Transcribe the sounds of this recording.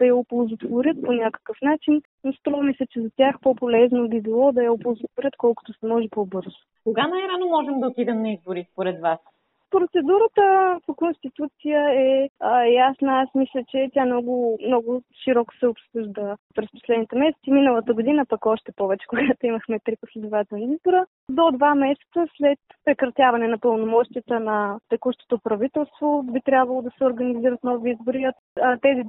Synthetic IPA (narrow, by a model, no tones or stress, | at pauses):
d̪̥ɐjɐopolˠzot̪voɾʲət̪̚ponʲakə̥kəfnat͡ʃin | nst̪ɾɔvɐmislʲət͡ʃɛzɐt̪ʲaxpopolɛznobibilˠɔd̪ɐjɐopolˠzot̪voɾʲət̪kɔlˠkʊ̥t̪ʊsɛmɔʒɛpobɤɾzʊkoɡanajɾanomɔʒɛmd̪ɐot̪id̪ɛmnɐizboɾispoɾɛd̪vas | pɾot̪sɛd̪uɾət̪əpokonst̪it̪ut̪sijəɛjasnəasmislʲət͡ʃɛt̪ʲjanɔɡʊmnɔɡʊʃiɾɔkʊ̥sɛʊpsɤʒd̪əpɾɛspo̥slɛd̪nit̪ɛmɛsɛ̥t̪siminəlˠət̪əɡʊd̪inəpɐkɔʃt̪ɛpɔvɛt͡ʃɛ̥koɡat̪oiməxmɛt̪ɾipəslizbivat̪ɛlˠniizbʊɾə | d̪od̪vamɛsɛ̥t̪səslɛt̪pɾɛkɾɐt̪ʲjavɐnɛnɐpəlˠnomɔʃt̪ijət̪ənɐt̪ɛkuʃt̪o̥t̪opɾɐvit̪ɛlˠst̪vobit̪ɾʲabvɐlˠod̪ɐsɛoɾɡɐniziɾət̪nɔviizbʊɾiot̪ː | t̪ɛzi